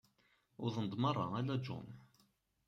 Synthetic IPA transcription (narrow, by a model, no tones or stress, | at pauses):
ʊðˤənd̪ˤmɑrˤːɑ̰ælæd͡ʒṵn